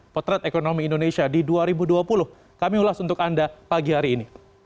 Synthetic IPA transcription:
pɔt̪ɾɛt̪ekonomiːndonesiadiduaɾibuduapulʊh | kamiulasunt̪ʊkandapaɡihaɾiːni

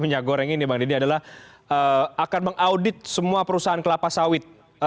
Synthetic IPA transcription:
məɲaɡoɾɛŋinibaŋdidiadalah | əakanməŋʔaudɪt̪̚səmuapəɾusaɦankəlapasawɪt̪̚

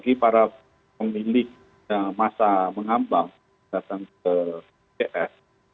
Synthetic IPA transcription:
ɡipaɾa | pəmilɪk̚ | jaŋmasaməŋambaŋ | dat̪aŋkə | eʔɛs

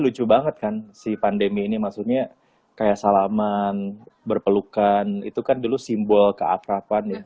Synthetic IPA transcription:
lut͡ʃubaŋət̪̚kansipandemiːnimasukɲa | kajaʔsalamanbərpəlukanḭt̪ukandulusimbɔlkəa̰fɾapanɪ

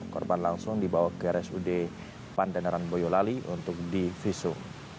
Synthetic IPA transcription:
kɔ̰rbanlaŋsʊŋdibawakəɾɛsude | pandanaɾanbojolaliʔunt̪ʊk̚difisʊŋ

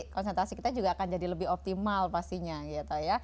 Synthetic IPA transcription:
kɔnsɛnt̪ɾasikit̪ad͡ʒuɡaːkand͡ʒadiləbɪhɔp̚t̪imalfast̪iɲaɡit̪aja

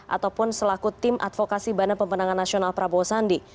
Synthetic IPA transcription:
ʔa̰t̪awpʊnsəlakut̪ɪmʔa̰t̪fokasibanəpəmbənaŋanːasionalpɾabɔsandi

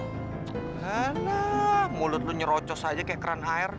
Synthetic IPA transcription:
alahmulʊt̪̚lʊɲəɾɔt͡ʃɔsad͡ʒakajaʔkəɾanaɛr

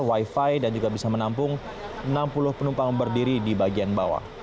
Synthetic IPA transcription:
waifajdand͡ʒuɡabisamənampʊŋ | ənampulʊhpənumpaŋbərdiɾidibaɡianbawa̰

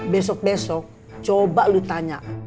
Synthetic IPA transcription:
bɛs̬ɔk̚bɛsɔk̚ | t͡ʃobaʔlut̪aɲaʔ

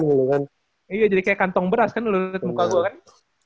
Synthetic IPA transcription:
nilukan | ijad͡ʒadikajakant̪ɔŋbəɾaskanlʊət̪̚mukaɡuakan

